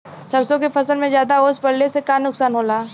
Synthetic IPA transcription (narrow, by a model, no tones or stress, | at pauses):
sɐɾsõkepʰɐsəlmẽzjaːd̪aoːspɐɽlesekanʊksaːnɦoːlaː